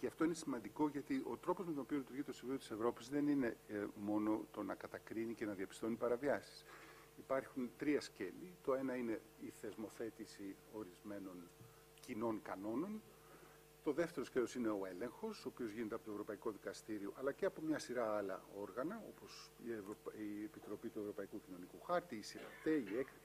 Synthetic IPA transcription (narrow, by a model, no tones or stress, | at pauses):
ceɐft̪oine̞simɐnd̪iko̞ʝɐt̪iʔo̞t̪ɾo̞pozmet̪o̞nopio̞lit̪uɾʝit̪osiviot̪i̥sevɾo̞pizðe̞nine̞mo̞no̞t̪o̞nɐkɐt̪ɐkɾinice̞nɐðiɐpist̪o̞nipɐɾɐviɐsi̥s | ipɐɾçunt̪ɾiɐsce̞lit̪o̞enɐine̞ | iθe̞zmo̞θe̞t̪isi | o̞ɾizme̞no̞n | cino̞nkɐno̞no̞n | t̪o̞ðe̞ft̪e̞ɾo̞skcelo̞sine̞o̞e̞le̞ŋxo̞soːpio̞zʝinet̪eɐpo̞t̪ovɾo̞pɐiko̞ðikɐst̪iɾio̞ʔɐlɐceɐpo̞mɲɐsiɾɐɐlɐ̰o̞ɾɣɐnɐo̞̰po̞sieviepit̪ɾo̞pit̪ue̞vɾo̞pɐikucino̞nikuxɐɾt̪iːsiɾɐ̰t̪e̞iekti